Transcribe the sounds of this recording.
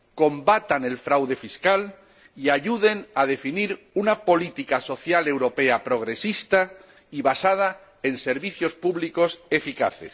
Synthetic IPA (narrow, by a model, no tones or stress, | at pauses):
ko̞mbat̪ane̞lfɾawðe̞fiskal | iaʎuðe̞naðe̞finiɾ | unapo̞lit̪ikaso̞θjale̞wɾo̞pe̞apɾo̞ɣ̞ɾe̞sist̪a | iβasað̞a | e̞nse̞ɾβiθjo̞spuβliko̞se̞fika̰θe̞̰s